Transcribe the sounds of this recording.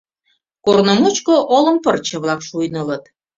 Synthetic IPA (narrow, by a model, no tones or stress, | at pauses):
kornomut͡ɕkoʔolə̆mpərt͡ɕə̆βlɑkʃujnələt̪